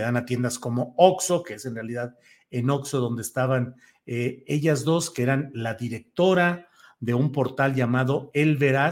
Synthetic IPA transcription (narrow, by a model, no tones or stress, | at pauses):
eðanat̪je̞nd̪asko̞mo̞okso̞ke̞ese̞nrealiðað | e̞no̞kso̞ðo̞nd̪est̪aβan | ee̞ʝazðo̞skee̞ɾanlaðiɾe̞k̚t̪o̞ɾa | ðe̞umpo̞ɾt̪alʝamaðo̞elβe̞ɾa